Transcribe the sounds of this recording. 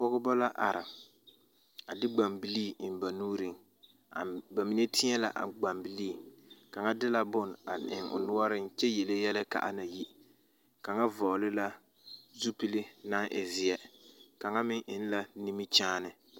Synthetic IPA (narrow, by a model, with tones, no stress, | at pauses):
pɔ˦ɣʊ˦bɔ˦la˦ʔa̰˨ɾʔɪ˨ | a˨dɪ˦ɡ͡ba˨mbi˦liː˦˨ɪ˨nba˨nuː˦ɾi˨ŋ | a˨ba˨mi˨ne˦tʰɪ˦ɛ˦la̰˨ʔa̰˨ɡ͡ba˨mbi˦liː˦˨ka˨ŋa˦dɪ˦la˦bʊ˦na̰˨ɪ̰˨ŋʊ̰˨nʊ˦ɔ˦ɾɪ˦nt͡ʃɛ˦jɛ˨le˦jɛ˦lɪ˦ka̰˨ʔa˦na˨ji˦ | ka˨ŋa˦vɔ˨lɪ˦la˦ | zu˦pi˦lɪ˦na˦ŋʔɛ̰˨zɪ˦ɛ˦ka˨ŋa˦mɪ˦ŋʔɪ˦n˦la˦ni˦mi˦t͡ʃaː˦nɪ˨